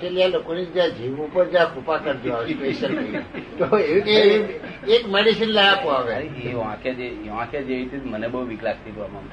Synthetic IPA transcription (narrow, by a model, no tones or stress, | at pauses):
ʈelijalokonid͡ʒjãd͡ʒiʋũpəɾd͡ʒjãkupakəɾt̪joaʋetesək̪it̪oee | ekmeɽisinlajapoaʋeɾeeʋãkʰjad͡ʒeeʋãkjad͡ʒeəit̪ʰimənebəɦuʋiklak̚t̪ipɾəbant̪ʰ